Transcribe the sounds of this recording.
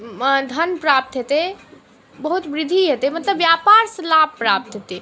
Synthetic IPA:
d̪ʱənpɾap̚t̪ɦet̪e | bəɦut̪bɾɪd̪ʱiɦet̪emət̪ləbjapaɾsəlab̚pːɾap̚t̪ɦet̪e

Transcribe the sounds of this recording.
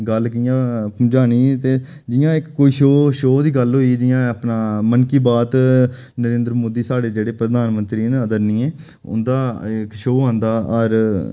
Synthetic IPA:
ɡəlkɪjãːd͡ʒaːniːt̪eː | d͡ʒɪjãːɪkːoːiːʃoːʃoːd̪iːɡəlɦoːiːd͡ʒɪjãːəpnaːmənkiːbaːt̪nəɾẽːnd̪ɾəmoːd̪iːsaːɽeːd͡ʒeːɽeːpɾəd̪aːnmənt̪ɾiːnəd̪əɾnĩːẽː | ʊ̰nd̪aːɪkʃoːɦãːnd̪aːəɾ

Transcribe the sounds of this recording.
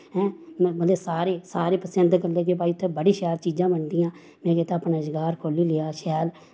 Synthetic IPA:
ɦɛ̃ːmbənd̪eːsaːɾeːsaːɾeːpəsənd̪kəleːkep̬aːiːʊt̪ʰːẽːbəɽiːʃɛːlt͡ʃiːd͡ʒãːbəɳd̪ɪjãː | mɛ̃ːkeːt̪aːpnaːd͡ʒɪɡaːɾkʰoːliːlɪaːʃɛːl

